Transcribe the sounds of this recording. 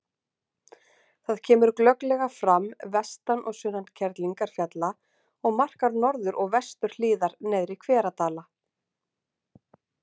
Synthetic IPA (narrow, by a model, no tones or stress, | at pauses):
θaðcʰɛːmʏɾklœklɛɣafɾamvɛst̪anʔɔ̰ɣsʏnancʰɛɾt̪liŋkaɾ̥fjat̪la | ɔɣmar̥kaɾnɔɾðʏɾʔɔɣvɛst̪ʏɾ̥liːðaɾnɛːðɾikʰvɛːɾat̪aːla